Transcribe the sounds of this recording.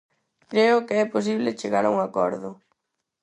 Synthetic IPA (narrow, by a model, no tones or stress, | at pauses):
kɾeʊkeɛpos̬iβ̞let͡ʃeɣaɾauŋakɔ̰ɾðʊ̰